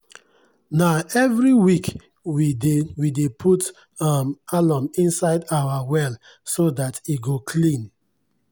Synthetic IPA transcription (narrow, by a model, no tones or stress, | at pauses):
naʊɛvɹiwik | widewidepʰut | amalɔ̃mĩnsaɪdawawɛl | sodatiɡokʰlĩn